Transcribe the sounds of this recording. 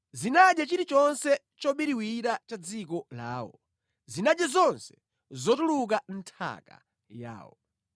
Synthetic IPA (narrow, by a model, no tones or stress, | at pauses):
zinaɗjat͡ʃiɾit͡ʃɔnsɛ | t͡ʃɔɓiɾiwiɾat͡ʃad͡zikɔla̰ːwɔ̰ | zinaɗjazɔnsɛ̥ | zɔtuluk̬an̩tʰa̰ka̰ | ja̰ːwɔ